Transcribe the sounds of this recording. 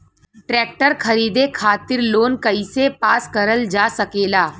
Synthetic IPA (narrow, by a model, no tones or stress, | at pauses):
ʈɾɛːk̚ʈəɾkʰɐɾiːd̪ekʰaːt̪ɪɾloːnkɐisepaːskɐɾəld͡ʒaːsɐkeːlaː